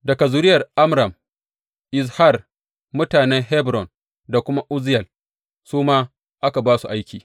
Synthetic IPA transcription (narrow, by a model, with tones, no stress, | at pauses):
dɐ˨ka˨zʊ˨ɾɪ˦jɐ˨rʔa˦mɾɐ˨m | ʔɪ˨s̬ha˦˨r | mʊ˦taː˨nɛ˦ŋɦɛ˦bɾɔ˨n | da˨kʷʊ˦ma˦ʔʊ˦zɪ˦jɛ˨l | suː˦maː˦ | ʔa˦ka˨baː˦su˨ʔa˦jkʲiː˨